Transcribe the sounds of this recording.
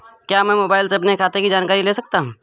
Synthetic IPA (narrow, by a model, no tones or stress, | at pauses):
kjaːmɛ̃moːbaːɪlseɐpnekʰaːt̪ekid͡ʒaːnkaːɾileːsɐk̚t̪aɦũː